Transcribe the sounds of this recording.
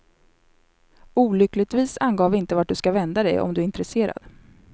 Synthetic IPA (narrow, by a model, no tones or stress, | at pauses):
uːlʏklɪt̪viːsanɡoːvɪnt̪əvaʈ̚ɖ̪ɵskavɛnd̪ad̪ɛ̰jʔɔ̰md̪ɵæɾɪnt̪ɾɛseːɾa̰d̪̥